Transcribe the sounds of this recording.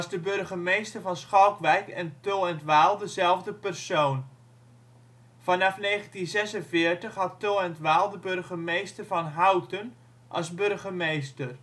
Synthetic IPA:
ɑsdəbørɣəmejstərvɑnsχɔwkʋɛjkɛntoːɛntʋaːlˠdəzɛlˠvdəpərsoːn | fɑnɑfneːɣəntinzɛsənfɪːərtəχɦɑtːoːɛntʋaːlˠdəbørɣəmejstərvɑnɦawtən | ʔɑ̰sbørɣəmejstər

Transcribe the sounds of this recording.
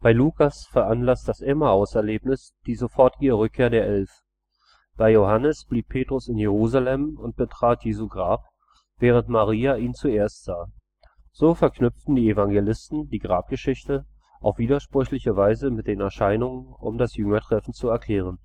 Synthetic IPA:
b̥aɪluːkʰasfɛɐʔanlasd̥asʔɛmaaʊsɛɐleːpnɪs | d̥iːzofɔɐtiəʁʏkʰːeːɐdeːɐʔɛlf | b̥aɪjohanəsb̥liːpʰːeːtʁ̥ʊsɪnjeʁ̞uːzalɛmʊnt̚b̥ətʁ̥aːtʰjeːzuɡʁaːp | v̥ɛːʁ̞əntmaʁ̞iːaʔiːnt͡sueːɐstz̥aː | z̥oːfɛɐknʏftn̩diːevaŋɡelɪstn̩diːɡʁaːp̚ɡ̥əʃɪçtə | ʔaʊfv̥iːdɐʃpʁ̥ʏçlɪçəvaɪzəmɪt̚d̥eːnɛɐʃaɪnʊŋənʊ̰mdasjʏŋɐtʁ̥ɛfn̩t͡suɛɐkʰl̥ɛːʁ̞ən

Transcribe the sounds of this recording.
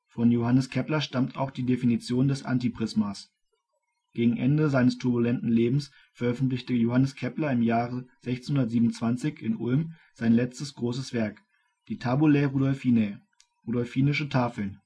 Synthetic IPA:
fɔnjohanəskʰɛplɐʃtamtʰa̰ʊxd̥iːdefinit͡sjoːndɛsʔa̰ntipʁ̥ɪsmas | ɡ̥eːɡŋ̩ʔɛ̰ndəzaɪnəstʰʊɐbulɛntn̩leːbm̩s | fɛɐʔœfn̩tlɪçtəjohanəskʰɛplɐɪmjaːʁəz̥ɛçt͡snhʊndɐtz̥iːbmnʊnt͡sv̥ant͡sɪçɪnʔʊ̰lm | z̥aɪnlɛt͡stəsɡ̥ʁoːs̬əsv̥ɛɐk | d̥iːtʰaːbulɛʁuːdɔlfinɛ | ʁuːdɔlfiːnɪʃətʰaːfl̩n

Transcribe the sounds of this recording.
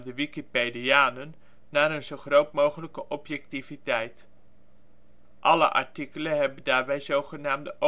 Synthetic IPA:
dəʋikipediaːnənː | aːɾənzowχrowtmowχələkəʔɔpjɛk̚tivitɛjt | ʔɑlə̰ʔɑ̰ɹtikələnɦɛbəndaːɹbɛjzowχənaːmdəʔo

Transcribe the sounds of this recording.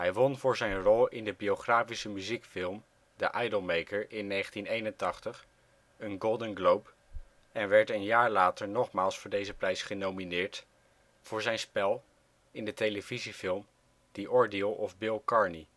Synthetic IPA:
ɦɛjʋɔnvʊːɹzɛjnrɔlˠɪ̰ndəbiowχraːfisəmyzikfɪlˠm | dəʔajdəlˠmejkəɹɪnːejχəntinejnəntɑχtəχ | ənɡolˠdənɡlowp | ɛnʋɛɹtənjaːɹlaːtəɹnɔχmaːlˠsfʊːɹdejzəprɛjsχənowminɪːɹt | v̥ʊːɹzɛjnspɛlˠ | ɪndətejləvizifɪlˠm | d̥iʔɔɹdiəlˠɔvbɪlˠkɑɹni

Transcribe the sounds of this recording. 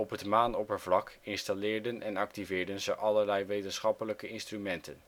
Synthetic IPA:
ɔpɦətmaːnɔpəɹvlɑkɪnstalɪːɹdənɛnɑk̚tivɪːɹdənzəʔɑləɹlɛjʋejtənsχɑpələkəɪnstrymɛntən

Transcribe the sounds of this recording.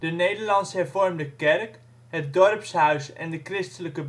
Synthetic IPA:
d̥ənejdəɹlɑnsɦɛɹvɔɹmdəkɛrk | ɦət̚dɔrpsɦœɥsɛ̰ndəkrɪstələkəb

